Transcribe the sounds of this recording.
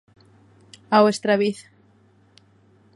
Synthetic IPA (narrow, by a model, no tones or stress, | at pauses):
aβest̪ɾaβiθ